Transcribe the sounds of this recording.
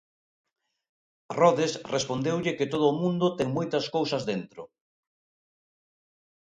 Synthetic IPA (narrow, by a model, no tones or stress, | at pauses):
rɔðesrespond̪ewʎɪkɪt̪oð̞ʊːmũnd̪ʊt̪ɛŋmojt̪ɐskowsɐzðent̪ɾʊ